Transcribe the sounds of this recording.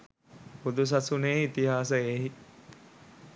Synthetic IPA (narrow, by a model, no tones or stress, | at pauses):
pud̪us̬ɐsuneːit̪iɦaːsəeːɦi